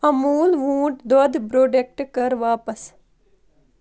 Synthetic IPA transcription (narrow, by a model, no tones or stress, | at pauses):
ɐmuːlʋũːʈd̪od̪bɾoːɖek̚ʈkɐɾʋaːpəs